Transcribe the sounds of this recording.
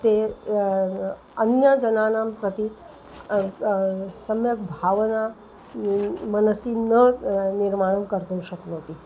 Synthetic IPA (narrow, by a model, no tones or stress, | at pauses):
t̪e | ɐnjəd͡ʒɐnaːnaːmpɾət̪i | sɐmjəkbʱaʋəna | mɐnəsinəniɾmaːjunkəɾt̪ũːʃɐkloːt̪i